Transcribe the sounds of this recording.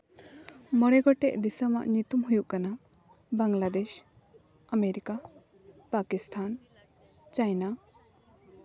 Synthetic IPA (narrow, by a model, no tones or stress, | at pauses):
mɔɽɛɡɔʈɛʔd̪isəma̰ʔɲit̪umɦujuʔkana | baŋlad̪eʃ | əmeɾika | pakist̪ʰan | t͡ʃajna